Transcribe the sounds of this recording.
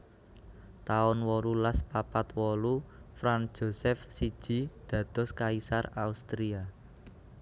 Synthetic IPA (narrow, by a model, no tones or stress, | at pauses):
t̪aʊnwɔɾulaspapat̪wɔlufɾand̥ʒ̥o̤sɛfsid̥ʒ̥i̤d̪̥ä̤d̪̥ɔ̤skaisaraust̪ɾia